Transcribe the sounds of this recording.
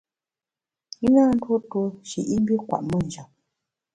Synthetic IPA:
i˦naː˦˨n̩˦two˦to˦ʃi˨ʔi˦m˦bi˦kwa̰˨ʔmə˦˨n˨d͡ʒa˨

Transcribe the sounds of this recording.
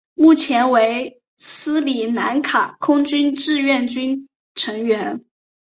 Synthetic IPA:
mu˥˩t͡ɕʰjɛ˧˥nwe˧˥ɪ | sɹ̩˥li˨˩na˧˥nkʰa˨˩kʰʊ˥ŋt͡ɕy˥nʈ͡ʂɻ̩˥˧ɥɛ˥˩nt͡ɕy˥n | ʈ͡ʂʰɤ˧˥ŋɥɛ˧˥n

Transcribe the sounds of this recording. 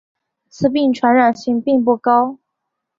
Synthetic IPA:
t͡sɹ̩˥˧p̬i˥˧ŋʈ͡ʂʰwa˧˥nɻa˨˩nɕi˧˥ŋpi˥˧ŋp̬u˥˩kɑ˥ʊ

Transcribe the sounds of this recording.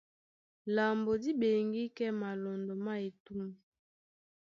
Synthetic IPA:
la˨mbo˨di˦be˨ŋɡi˦kɛ˦ma˨lɔ˨ndɔ˨ma˦e˨tu˦mu˨

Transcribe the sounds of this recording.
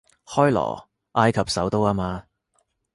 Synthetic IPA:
hɔː˥jlɔ̰ː˨˩ | ʔaː˧jkʰɐ˨p̚sɐ˨˥wt̪o˥waː˥maː˧

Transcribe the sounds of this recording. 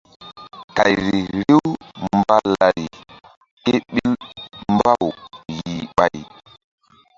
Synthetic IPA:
ka˨jɾi˨ɾi˦wmba˦la˨ɾi˨ | ke˦ɓi˦lm˦ba˦wji˨ɓa˨j

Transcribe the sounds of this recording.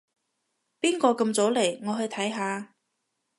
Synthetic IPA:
piː˥nkɔː˧kɐ˧mt͡so˨˥wle˨˩jŋɔː˨˧ɦɵ˧ɥt̪ʰɐ˨˥jɦaː˨˧

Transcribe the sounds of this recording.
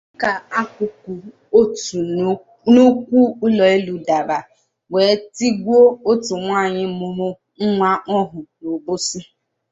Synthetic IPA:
ka˨a˦kʷʊ˨ku˨ | o˦t | no˦kʷu˦ʊ˦lɔ˨e˦lu˨da˨ba˨ | we˨˦ti˦ɡʷo˦o˦tu˨ŋʷaː˦˨ɲɪ˦mʊ˨ɾʊ˦ | ŋ̩˦ŋʷa˦ʔɔ˦ɦʊ˨no˨bʊ˦si˦

